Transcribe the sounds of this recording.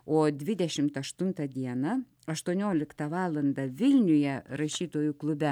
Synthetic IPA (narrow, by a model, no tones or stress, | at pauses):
oːd̪ʲʋʲɪd̪ʲɛʃʲɪmt̪ɐʃt̪ʊnt̪ɐd̪ʲiɛnɐ | ɐʃt̪uɔnʲoːlʲɪkt̪ɐʋɑːlˠɐnd̪ɐʋʲɪlʲnʲʊjɛɾɐʃʲiːt̪oːjʊklˠʊbʲɛ